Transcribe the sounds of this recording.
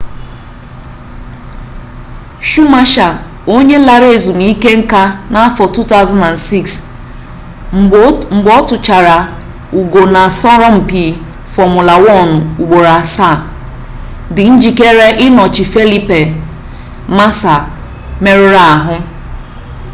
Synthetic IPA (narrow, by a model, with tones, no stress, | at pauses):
ʃu˦ma˦ʃa˨ | o˦ɲe˦la˨ɾe˦˨zu˨m˨i˦ke˦ŋ̩˦ka˦na˦fɔ˨tu˦ta˦ʊ˦za˦na˨nsi˦ks | ŋ͡m̩˨ɡ͡bɔ˦tʊ˨t͡ʃa˨ɾa˨ | u˨ɡo˨na˨sɔ˦ɾɔ˦m̩˨pi˨ | fɔ˨mʊ˨la˨wɔ˦˨nʊ˨u˨ɡ͡bo˨ɾa˨sa˦˨ | dɪ˨n̩˦d͡ʒi˨ke˦ɾe˦ʔɪ˦nɔ˨t͡ʃɪ˨fe˦li˦pe˨ | ma˦sa˨ | me˦ɾʊ˦ɾa˨a˨ɦʊ˦